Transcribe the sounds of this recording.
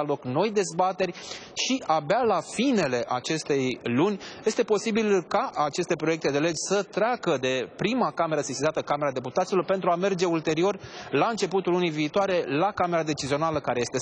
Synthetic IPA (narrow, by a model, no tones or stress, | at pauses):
alo̞kno̞jd̪e̞zbat̪e̞rʲ | ʃiʔabalafine̞le̞ʔat͡ʃe̞st̪e̞jlunʲje̞st̪e̞po̞sibilkaʔːt͡ʃe̞st̪e̞pɾo̞je̞k̚t̪e̞d̪e̞le̞d͡ʒʲsət̪ɾeakəd̪e̞pɾimakame̞ɾəsesizat̪əkame̞ɾad̪e̞put̪at̪silo̞rpe̞nt̪ɾuame̞rd͡ʒe̞ult̪e̞ɾio̞rlaɨnt͡ʃe̞put̪ulːunijviːt̪oaɾe̞lakame̞ɾad̪e̞t͡ʃizio̞naləkaɾe̞je̞st̪e̞